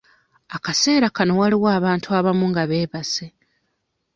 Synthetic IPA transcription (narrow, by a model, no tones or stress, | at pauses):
akase̞ːɾakano̞waliwaːβaːntuaβamuŋɡaβe̞ːβase